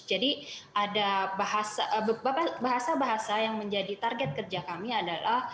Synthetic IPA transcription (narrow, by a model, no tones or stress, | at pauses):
d͡ʒadiʔadabaɦasabapabaɦasabaɦasajaŋməɲd͡ʒadit̪arɡɛt̪̚kərd͡ʒakamiadalah